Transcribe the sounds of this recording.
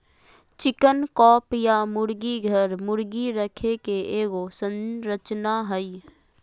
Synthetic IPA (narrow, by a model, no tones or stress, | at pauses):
t͡ʃɪkənkɔːpjamʊɾɡiɡʱəɾmʊɾɡiɾəkʰekeeːɡosə̃nɾət͡ʃnaɦəi